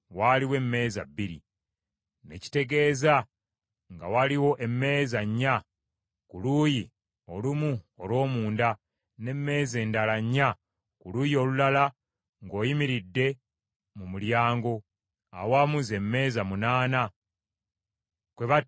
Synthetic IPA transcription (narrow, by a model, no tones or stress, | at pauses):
waːliwe̞mːe̞ːzabːiɾḭ | ne̞̰ci̥te̞ɡe̞ːza | ŋɡa̰waliwo̞ʔe̞mːe̞ːzaɲːa | kuluːji | olumu | olwo̞ːmuːnda | ne̞mːe̞ːze̞ːndalaɲːa | kuluːjo̞ːlulala | ŋɡo̞ːjimiɾidːe̞ | mumuljaːŋɡo̞ | a̰wamuze̞mːe̞ːzamunaːna | kwe̞βa